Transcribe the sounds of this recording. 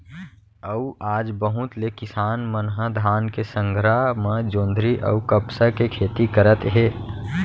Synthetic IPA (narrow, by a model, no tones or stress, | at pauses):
əuʔaːd͡ʒbəɦʊ̃t̪lekɪsaːnmənɦəd̪ʱaːnkesə̃ŋɡʱɾamãd͡ʒõːnd̪ʱɾiʔə̰ukəpsakekʰeːt̪ikəɾət̪ɦeː